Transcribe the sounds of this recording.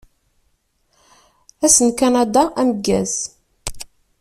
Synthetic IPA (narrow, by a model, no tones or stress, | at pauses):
æsənkanad̪aʔæməɡːæz